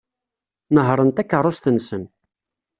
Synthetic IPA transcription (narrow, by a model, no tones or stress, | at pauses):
nəɦɾˤənt̪ækːərˤːʊst̪ənsən